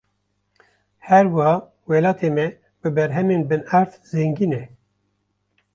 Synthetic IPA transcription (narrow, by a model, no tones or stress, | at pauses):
hɛɾwhɑː | wɛlɑːt̪ʰeːmɛ | bɨbɛɾɦɛmeːnbɨnæɾt̪ | zɛŋɡiːnɛ